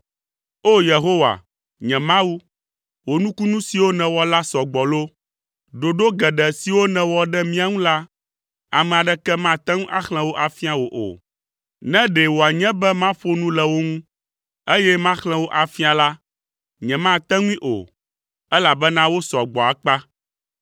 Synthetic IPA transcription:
o˦je˨ɦo˦wa̰˨ | ɲɛ̃˨mã˦wu˦ | wo˨nũ˦ku˦nũ˦si˨wo˦nɛ̃˨wɔ˦la˦sɔ˨ɡ͡bɔ˨lo˦ | ɖo˨ɖo˦ɡɛ˨ɖɛ˨si˨wo˦nɛ̃˨wɔ˨ɖɛ˦mĩ˦a˨ŋũ˦la˦ | a˨mɛ̃˨a˨ɖɛ˦kɛ˦mã˦˨t̪ɛ˦ŋũ˦ʔa˦xlɛ̃˨wo˦ʔa˨fi˦a˨wo˨ʔo̰˨ | nɛ̃˦ɖɛ˨wo˨a˨ɲɛ̃˦bɛ˦mã˦ɸo˦nũ˦lɛ˨wo˦ŋũ˦ | e˦jɛ˦mã˦xlɛ̃˦wo˦ʔa˨fi˦a˨la˦ | ɲɛ̃˨mã˦t̪ɛ̃˦ŋũ˦ĩ˦ʔo̰˨ | ɛ˦la˨bɛ˦nã˦wo˦sɔ˨ɡ͡bɔ˨a˨k͡pa˦

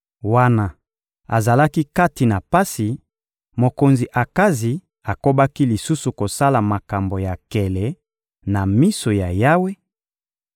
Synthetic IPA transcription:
wa˦na˨ | a˨za˨la˦ki˦ka˦ti˨na˨pa˦si˨ | mo˨ko˨nzi˨ʔa˨ka˦zi˨ | a˨ko˦ba˦ki˦li˨su˦su˨ko˨sa˦la˨ma˨ka˨mbo˨ja˨kɛ˨lɛ˨˦ | na˨mi˦so˨ja˨ja˦we˦

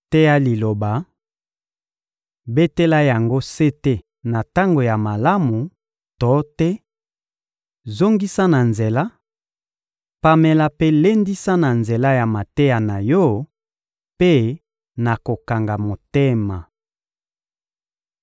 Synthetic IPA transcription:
tɛ˦ja˦li˨lo˨ba˨ | be˦te˦la˦ja˨ŋɡo˦se˦te˦ | na˨ta˦ŋɡo˨ja˨ma˨la˦mu˨ | tɔ˨˦tɛ˦ | zo˦ŋɡi˦sa˦na˨nze˨la˦ | pa˨mɛ˨la˦pe˦le˦ndi˦sa˦na˨nze˨la˦ja˨ma˨te˦ja˨na˨jɔ˦ | pe˦ | na˨ko˨ka˨ŋɡa˨mo˨te˦ma˨

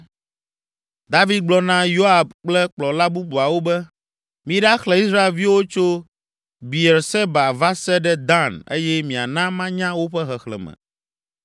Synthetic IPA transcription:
d̪a˦vi˦d̪̚ɡ͡blɔ˨nã˦jo˦a˨b̚k͡plɛ˦k͡plɔ˨la˦bu˦bu˨a˨wo˦bɛ˦ | mĩ˨ɖa˦xlɛ˨i˦sɾa˦e˨lvi˦wo˦t͡ʃo˦ | bi˨e˨ɾsɛ˦ba˨va˦sɛ˦ɖɛ˦d̪ã˦ne˦jɛ˦mĩ˨a̰˨nã˦mã˦ɲã˦wo˦ɸɛ˦ɦɛ˨xlɛ̰˨mɛ̰̃˨

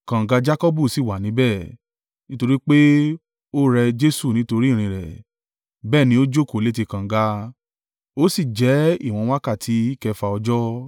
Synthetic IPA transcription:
kã˨ɡa˧d͡ʒa˦kɔ˦bu˦˨si˦˨wa˨nĩ˨˦bɛ˦˨ | nĩ˦to˧ɾi˦k͡pe˦ | o˦ɾɛ˧d͡ʒe˦su˦˨nĩ˨˦to˧ɾi˦˨ɾ̃ĩ˧ɾɛ̰˨ | bɛː˦˨nĩ˧˦o˦d͡ʒo˦˨ko˦˨le˦te˧kã˨˦ɡa˧ | o˦si˦˨d͡ʒɛ˨˦ḭ˦˨w̃ɔ̃˧˦wa˦ka˦˨tʰi˨˦i˦kɛ˧fa˧ɔ˧d͡ʒɔ˦

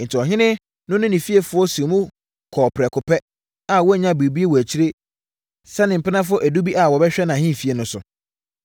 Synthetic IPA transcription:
n̩˨tʰɪ˨ɔ˨ɦɪ̃˦nɪ̃˦ | nʊ̃˦nʊ̃˦nĩ˨fi˦e˨fʊ˦ɔ˦su˨mũ˦ | kʰɔ˨pʰɾɛ˨kʰʊ˨pʰɛ˦ | a˨wɔ˦˨ɲã˦be˨bi˦e˦wɔ˨æ˨t͡ɕʰi˦ɾe˦ | sɛ˦nɪ̃˨m̩˨pɪ˦nã˦fʊ˦ɔ˦ʔæ˨du˦bi˦ʔa˨wɔ˨bɛ˦ɕᶣɛ˦nã˨ɦɪ̃˦˨fi˦e˨nʊ̃˦sʊ̰˨

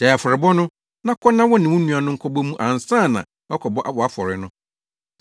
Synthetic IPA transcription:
d̥ɛ˨a˨fɔ˨ɾɪ˨bɔ˦nʊ̃˦ | nã˦kʰɔ˦nã˦wɔ˦nɪ̃˨wʊ̃˦nũ˦a˨nʊ̃˦ŋ̩˦kʰɔ˦bɔ˦mũ˦ʔã˨n˨sã˦˨nã̰˨ | wa˦kʰɔ˨bɔ˦ʔa˦wɔ˨a˦fɔ˨ɾɪ˨nʊ̃˦

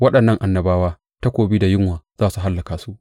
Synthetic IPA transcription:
wɐ˦ɗɐ˨nːɐ˦ŋʔa˨nːɐ˨baː˦waː˦ | ta˦kʷoː˨biː˦da˨jɪ˦ŋwaː˨z̥aː˦su˨ɦa˦lːɐ˨kaː˨su˦ʔ

